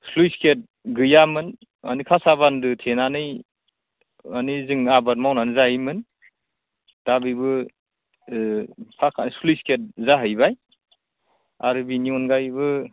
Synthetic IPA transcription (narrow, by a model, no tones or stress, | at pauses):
slujsket̚ | ɡɯjamɯn | a̰nikʰasabandɯtʰenanɯj | anizɯŋabaɾmawnanɯzajimɯn | d̥abɯjbɯ | pʰakʰanslujsket̚zaɦɯjbaj | aɾɯbiniɔnɡajbɯ